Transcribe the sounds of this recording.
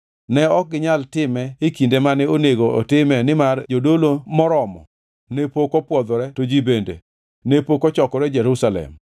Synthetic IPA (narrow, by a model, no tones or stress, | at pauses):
nɛɔk̚ɡɪɲaltɪmɛikindemanɛoneɡoo̰tɪmɛnɪmard͡ʒodolomɔɾɔmɔ̰ | nepokɔpwɔd̪ɔɾɛtod͡ʒibendḛ | nepokɔt͡ʃɔkɔɾɛd͡ʒɛɾusalɛ̰m